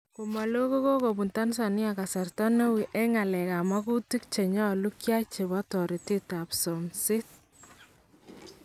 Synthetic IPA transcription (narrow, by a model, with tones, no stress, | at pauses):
ku˨ma˨lo˦ko˦ko˦ko˨pu˨nta˦ns̬a˨nɪ˦a˨ka˨sa˨rtɔ˦ne˦wi˨ʔɛ˦ŋa˨lɛ˨ka˨ma˦ku˦ti˦k̚t͡ʃe˨ɲɔ˦lu˦kja˦t͡ʃe˨βɔ˦tɔ˨ɾi˨tɪ˦ta˨pso˨msɪ˦t̚